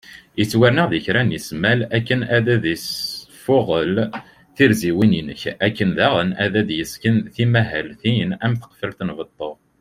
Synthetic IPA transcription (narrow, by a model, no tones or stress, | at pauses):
jət͡sːwæɾnəʁðiçɾænjismælækːənæðæðisfʊʁəl | θiɾziwininə̰çækːənðæʁənæðæðjəskənθimæɦælθinæmθə̥qfəlθnvət̪ˤːoʁ